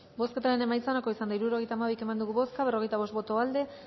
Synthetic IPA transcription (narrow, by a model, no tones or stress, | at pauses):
bo̞sket̪aɾe̞ne̞majt͡saonako̞isand̪aiɾuɾo̞ɣ̞e̞jt̪aːmaβijke̞mand̪uɣuβo̞skaβe̞ro̞ɣe̞jt̪aβo̞st̪bo̞t̪o̞ald̪e̞